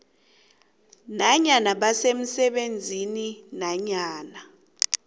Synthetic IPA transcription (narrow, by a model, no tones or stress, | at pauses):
naɲanaɓasem̩sɛɓend͡zʱininaɲaːna